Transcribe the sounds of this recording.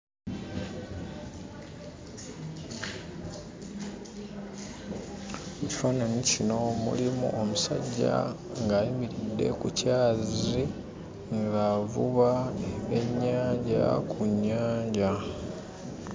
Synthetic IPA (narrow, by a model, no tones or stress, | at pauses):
eci̥faːnanicino̞mṵlimṵʔomusa̰ɟːa̰ | ŋɡaːjimiɾidːe̞̰kucaːzi | ŋɡaːvuβaeɲːaːɲɟa̰kʰuɲːaːɲɟa